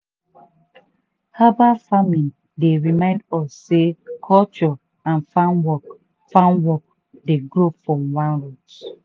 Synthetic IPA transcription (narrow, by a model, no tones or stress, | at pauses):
habafamĩn | deɹimãɪ̃ndɔsːekʰɔlt͡ʃɔ | ãnfãnwɔk | fãnwɔk̚ | deɡɾofɹɔ̃mwãnɹut